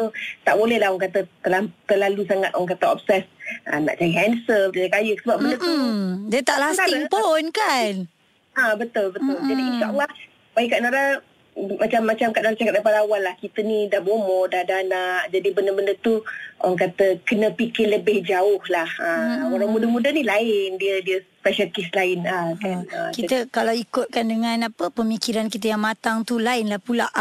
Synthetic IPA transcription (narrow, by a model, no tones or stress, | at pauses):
ut̪aʔbolɛhlahɔŋkat̪ət̪əlat̪əlalusaŋat̪̚ʔɔŋkat̪əɔ̰p̚sɛsʔəna̰ʔt͡ʃajiɦɛnsəlakajəsəbap̚bəndət̪udiət̪aʔlaaɪŋpunkan | abət̪ʊlbət̪ʊld͡ʒadiinʃaʔəlːɑh | baikaʔnaɾa | mat͡ʃamːat͡ʃamkaʔnaɾat͡ʃakat̪̚dapadawalːahkit̪ənĩdahbomɔdahdanaʔd͡ʒadibəndəbəndət̪uʔəŋkat̪əkənə̃pikɪləbɪhd͡ʒaʊhlahəunamudəmũdanilaɪndiədiəsspɛʃənkislaɪnakakit̪əkalawikʊt̪̚kandəŋãnapəpəmikiɾankit̪̬əjaŋmat̪aŋt̪ulaɪnlahpula̰ʔ